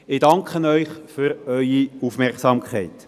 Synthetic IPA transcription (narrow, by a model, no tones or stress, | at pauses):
ɪd̥ɑŋkχənœʏχfyɾœʏiufmɛʁksɑːmkχɛɪt